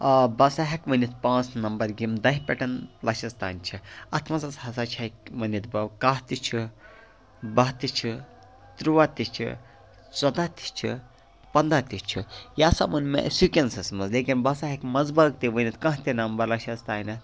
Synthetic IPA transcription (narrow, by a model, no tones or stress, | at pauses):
ɐbɐsaːɦɐkmɐnit̪pãːt͡snɐmbɐɾɡimd̪ɐɦpʲɛʈɐnlɐʃɐzt̪a̰ːnʲt͡ʃʰiɐt̪ʰmɐsɐshɐsaːt͡ʃʰakmɐnit̪̚bɐwkaːɦt̪it͡ʃʰi | bɐɦt̪it͡ʃʰi | t̪ɾuʋaːt̪it͡ʃʰḭ | t͡sɐd̪aːt̪i̥t͡ʃʰḭ | pɐnd̪aːt̪ʲit͡ʃʰijaːsa̰mɐnmḛsukʲensɐsmɐzleːkʲinbɐsaːɦɐkmɐzbɐːk̚t̪iʋənit̪kɐ̃ɦt̪inɐmbɐɾlɐʃɐzt̪aːjnɐ